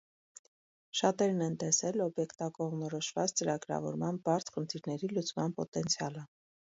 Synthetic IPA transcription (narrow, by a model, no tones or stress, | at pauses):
ʃɑt̪ɛɾnɛnt̪ɛsɛlɔbjɛkt̪ɑkɔʁmnɔɾɔʃvɑt͡st͡səɾɑɡɾɑ̰vɔ̰ɾmɑnbɑɾt͡sʰχənt̪ʰiɾnɛɾilut͡smɑnpɔt̪ɛnt͡sʰijɑlə